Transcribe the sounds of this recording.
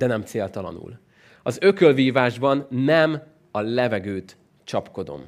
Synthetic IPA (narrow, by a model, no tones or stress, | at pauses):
d̪ɛnɛmt̪seːlt̪ɒlɒ̰nṵl | ɒzø̞kølviːvaːʒbɒnːɛm | ɒlɛvɛɡøːt̪ | t͡ʃɒpko̞d̪o̞̰m